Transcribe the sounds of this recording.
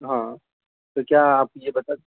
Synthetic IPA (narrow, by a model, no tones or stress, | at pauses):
ɦã | t̪okjaaːp̚jebɐt̪aːt̪